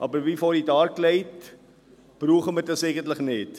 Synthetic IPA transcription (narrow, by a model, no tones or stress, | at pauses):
ʔɑbəvifɔːdidɑːrklɛjt | b̥ruəχəmətəsɛkəntləknɛt